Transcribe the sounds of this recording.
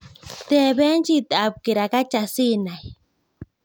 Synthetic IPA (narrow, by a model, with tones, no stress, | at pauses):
t̪e˧βe˦nt͡ʃi˦t̪e˨a˨b̚ki˨ɾa˨ka˦t͡ʃa˨si˦na˨j